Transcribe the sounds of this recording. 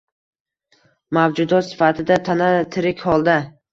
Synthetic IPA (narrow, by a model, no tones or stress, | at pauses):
mavd͡ʒʊd̪ɒt̪sɪ̥fat̪ʰɪd̪at̪ʰanat̪ʰɪɾɪkʲhɒlˠd̪a